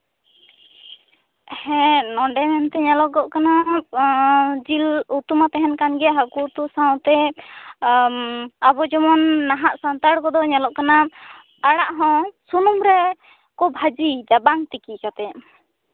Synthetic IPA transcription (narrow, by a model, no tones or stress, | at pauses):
hɛ̃nɔɳɖɛmɛnt̪ɛɲalɔʔɡɔʔkana | d͡ʒilut̪umat̪ɛɦɛnkanɡɛɦakut̪usaw̃t̪ɛ | abɔd͡ʒɔmɔnːaɦaʔsant̪aɽkɔd̪ɔɲalɔʔkana | aɽaʔɦɔ̃sunumɾɛ | kɔbʱad͡ʒid͡ʒabaŋt̪ikikat̪ɛ